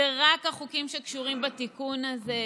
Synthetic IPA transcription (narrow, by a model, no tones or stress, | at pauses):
eʁakhaχukimʃe̞kʃuʁimbat̪ikunaze